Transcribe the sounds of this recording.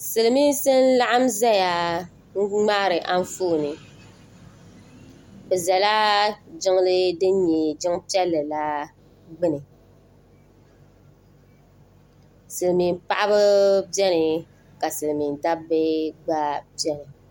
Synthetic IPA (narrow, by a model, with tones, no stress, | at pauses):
sɨ˨lɨ˨mi˦sɨ˦n˦la˦ʔa˦mzɛ˦ja˨˦ | ŋ͡ma˦˨ɾɨ˨ʔa˦n˦fu˦˨nɨ˨ | bɛ˨zɛ˨la˦d͡ʒɪ˦ŋ˦lɨ˦dɨ˦ɲɛ˨d͡ʒɪ˦ŋpi˦ɛ˦lːɨ˨la˦ | ɡ͡bɨ˦nɨ˨ | sɨ˨lmi˨n˦pa˦˨ʔa˦bɨ˦bɛ˦nɨ˨ | ka˨sɨ˨lɨ˨mi˨n˨da˦bɛ˦ɡ͡ba˦pi˦ɛ˦nɨ˨